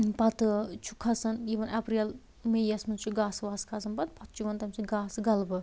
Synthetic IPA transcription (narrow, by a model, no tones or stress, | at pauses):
pɐt̪ɨt͡ʃʰu̥kʰɐsɐniːʋɐnapɾil | mejɐsmɐnt͡ʃʰuɡaːsʋaːskʰɐsɐnbɐt̪̚pɐt̪̚ʰt͡ʃʰuʋɐnt̪ɐmsʰiɡaːsɡɐlbɨ